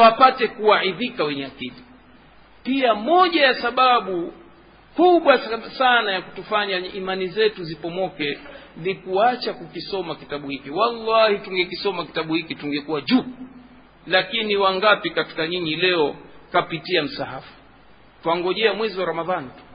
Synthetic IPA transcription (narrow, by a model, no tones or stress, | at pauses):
wapatɛkuahiðikawɛɲɛakili | piamɔʄajasaɓaɓu | kuɓwasanajakutufaɲaʔimanizɛtuzipɔmɔkɛnikuat͡ʃakukisɔmakitaɓuhikiwalːahituŋɡɛkisɔmaki̥taɓuhikituŋɡɛkuwaʄu | lakiniwaŋɡapikati̥kaɲiɲilɛɔkapitiam̩sahafu̥ | twaŋɡɔʄɛamwɛziwaɾamaðanitu̥